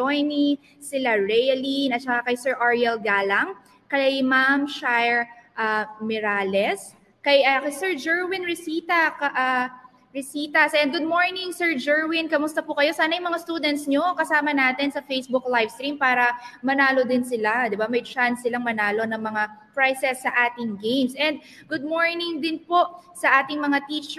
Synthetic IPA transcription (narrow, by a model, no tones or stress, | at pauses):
ojni | sɪlaɹɛjɐlinɐt̪̚t͡ʃɐkakɐjsɛɹʔaɹjɛlɡaːlɐŋ | kɐjmamʃajɹʔamɪɾaːlɛs | kɐjɐkɐsɛɹd͡ʒɛɹwinɹɪsiːt̪ɐkɐʔa | ɹɪsiːt̪ɐsɐjɐn̚ɡʊd̪̚moɹnɪŋsɛɹd͡ʒɛɹwɪnkɐmʊst̪ɐpʊkɐjo̞saːnɐjmɐŋast̪uːd̪ɛnt̪sɲo̞kɐsaːmɐnaːt̪ɛnsɐfejsbʊklajvst̪ɾimpaːɾɐmɐnaːlod̪ɪnsɪlad̪ɪbamɐjt͡ʃansːɪlaŋmɐnaːlo̞nɐŋmɐŋapɹajsɛsːɐʔaːt̪ɪŋɡejmsʔɛnd̪̚ | ɡʊd̪̚moɹnɪŋd̪ɪnpo̞ʔsɐʔaːt̪ɪŋmɐŋat̪iːt͡ʃ